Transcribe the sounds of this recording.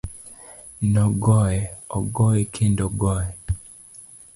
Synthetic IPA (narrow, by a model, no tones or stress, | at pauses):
nɔɡɔjɛɔɡɔɛkʰendɔɡɔɛ